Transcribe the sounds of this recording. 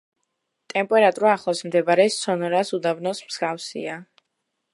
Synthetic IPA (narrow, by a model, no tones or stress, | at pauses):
t̪ʼɛmpʼɛɾat̪ʼuɾaːχlˠasmd̪ɛbaɾɛstsɔnɔɾasud̪avnɔsmz̥ɡafsḭa